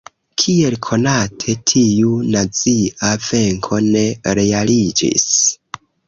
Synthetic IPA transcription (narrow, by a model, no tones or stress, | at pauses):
kʰie̞lkʰo̞natʰe̞tʰiunat͡siave̞ŋkʰo̞ne̞ɾe̞alid͡ʒḭs